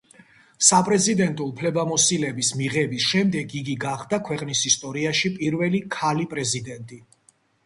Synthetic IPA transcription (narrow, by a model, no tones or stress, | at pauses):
sapʼɾɛzid̪ɛnt̪ʼuupʰlɛbamɔsilɛbismiʁɛbisʃɛmd̪ɛɡiɡiɡaχd̪akʰwɛqʼnisist̪ʼɔɾiaʃipʼiɾvɛlikʰalipʼɾɛzid̪ɛnt̪ʼi